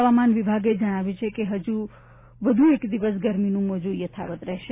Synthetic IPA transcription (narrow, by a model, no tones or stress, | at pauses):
ʋamanʋibʱaɡed͡ʒəɽ̃aʋjũt͡ʃʰekeɦəd͡ʒu | ʋəd̪ʱuekd̪iʋəs̬ɡəɾminũmod͡ʒujət̪ʰa̰ʋət̪ɾɛɦʃe